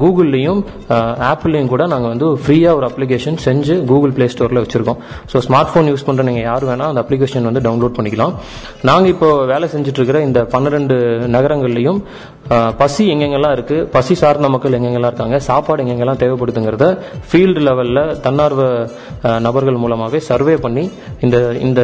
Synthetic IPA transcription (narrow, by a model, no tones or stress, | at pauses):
ɡuːɣɐlːɐjɯm | aːpːlːɐjʊmkuːɽɐnaːŋɡɐʋɐnd̪ɯfɾiːaːʋɔɾɯɐplɪk̬eːʂɐnsɛɲd͡ʒɯɡuːɣɐlpɭeːsʈoːɾlɐʋɐt͡ʃːɪɾɯkːʊ̃ | soːsmaːɾʈfoːnjuːspɐɳːɾɐniːŋɡɐjaːɾɯʋeːnːaːɐnd̪ɐpːlɪk̬eːʂɐnʋɐnd̪ɯɖɐʊnloːɖ̚pɐɳːɪkːɐlãː | naːŋɡɐɪpːoːʋeːlɛsɛɲd͡ʒɪʈːɾɯkːɪɾɐɪnd̪ɐpɐnːɯɾɛɳɖɯnɐɣɐɾɐŋɡɐɭlɐjɯm | pɐsiɛŋɡɛŋɡɐɛlːãːɪɾɯkːɯpɐsisaːɾnd̪ɐmɐkːɐɭɛŋɡɛŋɡɐlːãɪɾɯkːaːŋɡɐsaːpaːɽɛŋɡɛŋɡɐɛlːãːt̪eːʋɛpːɐɽɯt̪ːɯŋɡɪɾɐðɯfiːlɖlɛʋɐllɐt̪ɐnːaːɾʋɐ | nɐbɐɾɣɐɭmuːlɐmaːʋeːsɐɾʋeːpɐɳːi | ɪnd̪ɐɪ̰nd̪ɐ